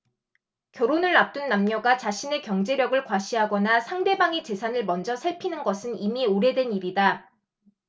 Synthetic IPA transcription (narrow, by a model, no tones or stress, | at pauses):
kjʌɾonɯɭːap̚t͈unːamɲʌɡat͡ɕaɕʰine̞kjʌŋd͡ʑe̞ɾjʌɡɯɭkwaɕʰiɦaɡʌnasʰaŋde̞baŋe̞t͡ɕe̞sʰanɯɭmʌnd͡ʑʌsʰaɭpʰinɯnɡʌsʰɯnimioɾe̞dwe̞niɾida